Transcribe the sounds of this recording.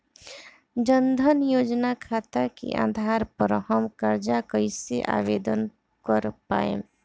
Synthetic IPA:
d͡ʒənd̪ʱənjoːd͡ʒnakʰaːt̪akḭʔã̰ːd̪ʱaːɾpəɾəɦəmkəɾd͡ʒakəɪseʔa̰ːʋeːd̪ən | kəɾpa̰ːḛ

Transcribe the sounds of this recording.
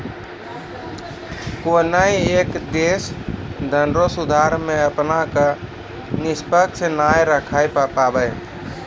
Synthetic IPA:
konaiekd̪esd̪ʱənɾosud̪ʱaɾmẽəpnaka | nɪspəkt͡ʃnajɾəkʰajpapabəj

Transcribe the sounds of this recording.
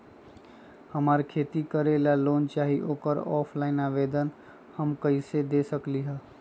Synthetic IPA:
həmaːɾkʰeːt̪ikəɾelaloːnt͡ʃaːɦiʔoːkəɾɔːpʰlaːɪnaʋeːd̪ən | həmkəɪsed̪esəkliɦə

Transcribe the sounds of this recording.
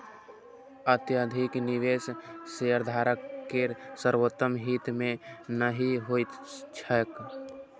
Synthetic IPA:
ət̪jəd̪ʱikniʋesseəɾd̪ʱaɾəkːeɾsəɾwot̪ːəmɦit̪mẽnəɦiɦojt̪t͡ʃʰək

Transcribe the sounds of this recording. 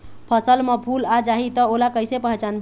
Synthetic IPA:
pʰəsəlmepʰulad͡ʒaɦit̪ɔolakəjsepəɦt͡ʃanb

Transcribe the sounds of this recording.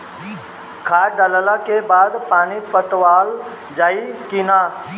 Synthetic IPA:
kʰaːɖələlakebaːd̪paːnipəʈʋaːl | d͡ʒaːikina

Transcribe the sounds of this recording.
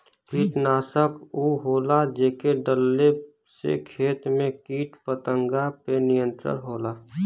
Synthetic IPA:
kiːʈnaːsəpʰuɦoːlad͡ʒekeɖəlːe | sḛkʰeːt̪mẽkiːʈpət̪əŋɡapenijə̃nt̪ɾə̰ɾɦoːlaː

